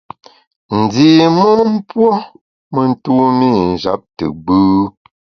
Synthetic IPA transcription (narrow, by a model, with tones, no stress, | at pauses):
n̩˨di˨mə˦m̩˦pwɔ˦ | mə˨n̩˦tu˦mi˦˨n̩˨d͡ʒa̰˨˦p̚tə̰˨ɡ͡bʉː˦